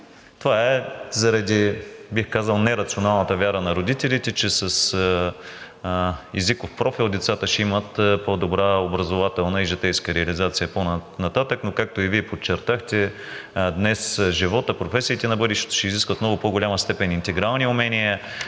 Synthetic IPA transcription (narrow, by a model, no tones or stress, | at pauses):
t̪ovaɛzɐɾɐd̪ibixkazəlˠnɛɾɐt̪sionalˠnət̪əvjaɾənɐɾod̪it̪ɛlit̪ɛt͡ʃɛsɐs | ɛzikofpɾɔfilˠd̪ɛt̪sat̪əʃɛimət̪pod̪obɾaobɾɐzovat̪ɛlˠnəiʒɛt̪ɛjskəɾɛɐlizat̪sijəponnɐt̪at̪əknokak̚t̪oiviɛpot͡ʃːɛɾt̪axt̪ɛ | d̪nɛsʒivɔt̪əpɾofɛsit̪ɛnɐbɤd̪iʃt̪ɛ̥t̪o̥ʃɛiziskvət̪mnɔɡʊpoɡolʲaməst̪ɛpɛnint̪ɛɡɾalˠniʊmɛnijə